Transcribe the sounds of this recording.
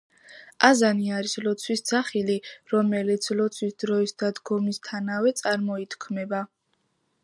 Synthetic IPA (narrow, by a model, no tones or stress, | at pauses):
azaniaɾislɔt̪sʰwisd̪z̥aχiliɾɔmɛlit̪sʰlɔt̪sʰwisd̪ɾɔisd̪ad̪ɡɔmist̪ʰanawɛt̪sʼaɾmɔit̪ʰkʰmɛba